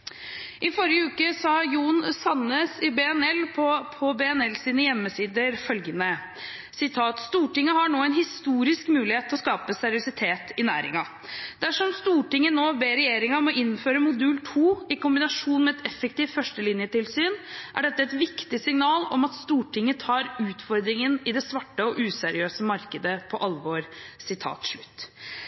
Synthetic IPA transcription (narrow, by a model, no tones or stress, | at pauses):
ʔɪfɔɾjəʉːkəsɑjuːnsɑnːəsɪbɛːɛnɛlpʰɔpʰɔbeɛnɛlsiːnəjɛmːəsiːd̪əɾfœlɡənə | sɪt̪ʰɑːt̪st̪uːʈɪŋːəhɑɳoːɛɪnɦɪst̪uːɾɪskmʉːlɪheːt̪ʰːɔskɑːpəsæɾɪʊsɪt̪ʰeːt̪ɪnæ̰ːɾɪ̰ŋɑ | d̪æʂɔmst̪uːʈɪŋːənoːbeːɾɛjeːɾɪŋɑmɔʔɪnːføːɾəmʊd̪ʉːlt̪ʰuːɪkʊmbɪnɑʂuːnmɛɛt̪ɛfːɛk̚t̪iːʋfœʂʈəlɪnjət̪ɪlsyːnʔæ̰ɖɛt̪ːəɛt̪ʋɪkt̪ɪsɪŋnɑːlɔ̰mɑt̪st̪uːʈʰɪŋːət̪ʰɑːɾʉːt̪fɔɾd̪ɾɪŋənɪd̪ɛsʋɑʈːəɔʔʉːsæɾɪøːsəmɑɾkəd̪əpʰɔʔɑlʋoːɾsɪt̪ʰɑ̰ːt̪ʂɭʉt̪ː